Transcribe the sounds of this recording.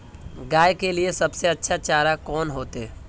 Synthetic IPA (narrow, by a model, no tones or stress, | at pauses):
ɡaːjkeliesɐbseɐtːʃʰat͡ʃaːɾakɔːnɦoːt̪e